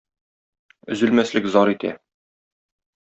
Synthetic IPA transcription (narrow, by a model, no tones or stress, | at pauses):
ɵ̆zɵ̆lmæslɘkzɒɾit̪æ̰